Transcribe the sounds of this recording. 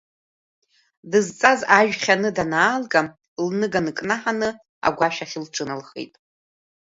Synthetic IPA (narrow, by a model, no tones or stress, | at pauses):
dɨzt͡sʼazaʒᶣχʲanɨdanaːlɡʼa | lnɨɡanɨkʼnaħanɨ | a̰ɡʷaʃᶣaχʲɪlʈ͡ʂʷʰʼɨnalχḛjtʼ